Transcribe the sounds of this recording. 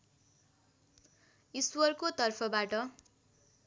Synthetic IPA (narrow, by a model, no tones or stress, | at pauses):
iswʌrkot̪ʌrpʰʌbaʈʌ